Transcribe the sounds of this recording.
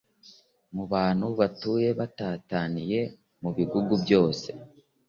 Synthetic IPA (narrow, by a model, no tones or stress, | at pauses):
muβaːn̥huβatuːje̞βataːtanije̞ | muβiɡuɡubjo̞ːse̞